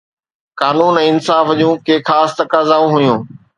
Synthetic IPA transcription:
kaːnuːnɛ̃ːɪnsaːfd͡ʑũːkeːxʰaːst̪ɐkaːzaːũɦʊjũː

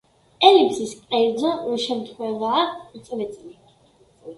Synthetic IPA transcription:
ɛlipsiskʼɛɾd̪zɔuʃɛmt̪ʰχwɛvaːt̪sʼlɛt̪sʼli

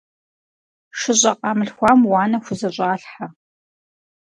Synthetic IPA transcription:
ʂɨɕʼɐqʼɑmɨɬxʷɑːmwɑːnɐxʷʊzɐɕʼaːɬħa

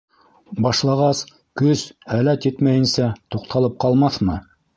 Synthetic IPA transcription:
bɑʃlˠɑʁɑs | kɵzhælæt̪jɘt̪mæjɘ̆nsæt̪uqt̪ʰɑlˠɤp̚qɑlˠmɑθmɤ

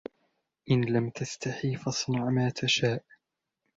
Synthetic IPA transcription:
ʔɪnlamt̪ast̪aħiːfɑsˤnɑʕmaːt̪ʰaʃaːʔ

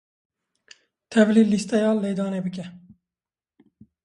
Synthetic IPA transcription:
t̪ʰɛvliːlist̪ɛjɑːlejd̪ɑːneːbɨk̬ɛ

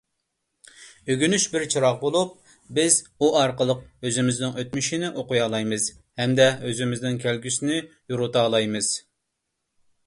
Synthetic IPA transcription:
øɡʲynyʃbɪɾt͡ʃʰiɾɑqbolˠup̚ | bɪzuɑɾqəlˠəq̚øzɪmɪznɪŋøt̪̚myʃinɪʔoqʊjɑːlˠɑjmɨz̥ | hɛmd̪ɛøzɪmɪznɪŋkʲʰælɡʲysɪnɪ | juɾut̪ɑːlˠɑjmɨz̥

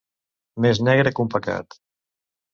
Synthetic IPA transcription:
meznɛɣɾəkumpəka̰t̪

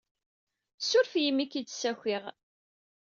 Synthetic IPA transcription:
sʊɾfjimːikit͡sːsæçʷiʁ

